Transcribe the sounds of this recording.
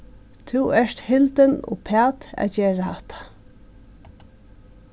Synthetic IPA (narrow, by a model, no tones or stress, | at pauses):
t̪ʰuwɛʂt̪hɪlt̪ənʊ̰pʰæːt̪æ̰d͡ʒeːɹahaht̪ʰḁ